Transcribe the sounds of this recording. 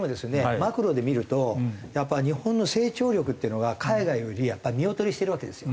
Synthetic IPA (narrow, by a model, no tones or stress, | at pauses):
mo̞d̪e̞sɨne̞makɯ̟ɾo̞d̪e̞mʲiɾɯ̟t̪o̞japːaɲ̟ihõ̞nːo̞se̞ːt͡ɕo̞ːɾʲo̞kɯ̟t̪ːeɯ̟no̞ɡakʰaiɡaijoɾʲijapːaimʲio̞t̪o̞ɾʲiɕi̥t̪e̞ɾɯ̟βake̞d̪e̞sɨjo